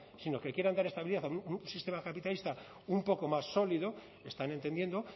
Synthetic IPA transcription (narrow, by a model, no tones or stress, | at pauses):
sino̞ke̞kjeɾand̪aɾe̞st̪aβiliðaθaununsist̪e̞makapit̪alist̪a | umpo̞ko̞masːo̞liðo̞ | e̞st̪ane̞nt̪e̞nd̪je̞nd̪o̞